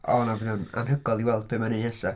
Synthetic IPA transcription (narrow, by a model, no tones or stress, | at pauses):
ɔnavɪnəna̰nɦəɡɔlˠiwɛlˠd̚beːmanɪnɛsa